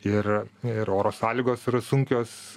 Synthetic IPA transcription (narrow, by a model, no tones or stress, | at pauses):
ɪrɪɾoːɾoːsɑːlʲiːɡoːsɪɾɐsʊŋʲkʲoːs